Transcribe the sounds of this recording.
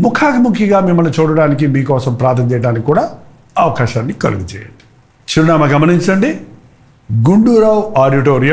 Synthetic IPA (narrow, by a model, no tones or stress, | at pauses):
mukʰaːkimukʰjiɡaːmimːɐlnut͡ʃuːɽɐɽaːnik̬imiːkɔːsɐmpɾaːɾt̪ʰɐnt͡ʃɛjɐɽaːnikikuːɽaː | ɐʋɐkaːʃaːnːikɐ̰luɡut͡ʃɛ̰ːjɐ̰ɳɖi̥ | ʃɐɾunaːmɐɡɐmɐniɲt͡ʃɐɳɖi | ɡuɳɖuːɾaːwaːɖiʈ̬oːɾijɐ